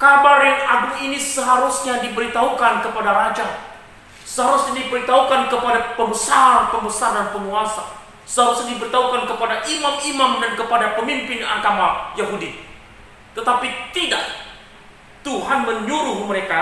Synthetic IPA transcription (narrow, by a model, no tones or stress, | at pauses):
kabarjaŋaɡuinisəɦaɾusɲadibəɾit̪aɦukankəpadaɾad͡ʒa | səɦaɾusɲadibəɾit̪aɦukankəpadapəmbəsaɾanpəmbəsaɾanpəŋuasa | səɦaɾusɲadibəɾit̪aɦukankəpadaʔimamimamdankəpadapəmimpɪnaɡamajaɦudi | t̪ət̪apit̪idak̚ | t̪uɦanməɲuɾʊhməɾeka